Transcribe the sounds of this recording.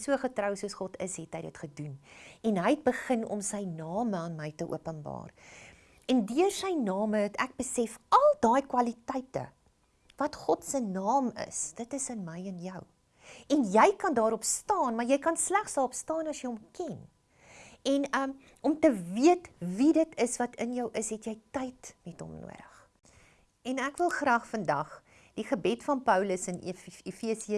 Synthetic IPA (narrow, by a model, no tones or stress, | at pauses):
suəχətrəwsuəsχɔtə̰sɦɛtɦəjdətχədunɛnɦəjɛt̚bəχənɔ̰msəjnɑːməɑːnməjtəʔṵəpənbɑ̰ːr | ɛndyərsəjnɑːməətæk̚bəsɛfɐlˠdɑːjkwɐlitɐjtə̰ | vɐtχɔtsənɑːmə̰sd̥ətəsənməjənjəw | ɛnjɛjkɐndɑːɾɔpstɑːnmɐrjɛjkɐnslæχsɑɔpstɑːnɐsjəjɔmkɛn | ɛnəm | ɔmtəviətvidətəsvɐtʰənjəwʔəsɦɛtjɛjtɐjtmɛtɦɔ̰mnṵəɾəχ | ɛnækvəlˠχrɑːχfəndɐχ | d̥iχəbɛtfɐnpœwləsənifiəsiə